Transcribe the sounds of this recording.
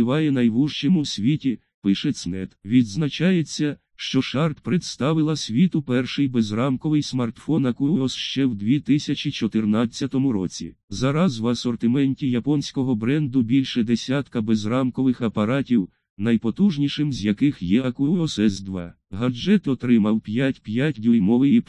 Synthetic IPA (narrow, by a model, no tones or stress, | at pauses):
ɪʋɑjɛnɐjʋuʒt͡ʃemʊsʲʋʲitʲi | pɪʃɛsnɛt̪ʋʲid̪znɐt͡ʃɑjet͡sʲːɐ | ʃt͡ʃɔʃɑrt̪pɾet̪st̪ɑʋɪlˠɐsʲʋʲit̪ʊpɛrʃɪjbezrɑmkɔʋɪjsmɐrt̪fɔnɐkuɔsʃt͡ʃɛwd̪ʲʋʲit̪ɪsʲɐt͡ʃʲit͡ʃɔt̪ɪrnɑt͡sʲːɐt̪ɔmʊɾɔ̰t͡sʲḭzɑɾɐzwɐsɔrt̪ɪmɛnʲtʲijɐpɔnʲsʲkɔɦɔbɾɛnd̪ʊbʲilʲʃɛd̪esʲat̪kɐbezrɑmkɔʋɪxɐpɐɾɑtʲiw | nɐjpɔt̪uʒnʲiʃɪmzʲjɐkɪxjɛɐkʊɔsɛzd̪ʋɑ̰ | ɦɐd͡ʒɛt̪ɔt̪ɾɪmɐwpʲjatʲpʲjatʲd̪ujmɔʋɪjip